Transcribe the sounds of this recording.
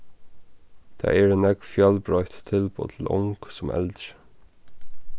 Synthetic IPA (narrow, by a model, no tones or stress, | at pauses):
d̪̥æ̰ːæːɹeːnɛɡfjœlbɹœʏt̪t̪ʰɪlpʰo̰ːt̪ʰl̩ʔʊ̰ŋɡ̥sʊmʔɛ̰ld̪ɾə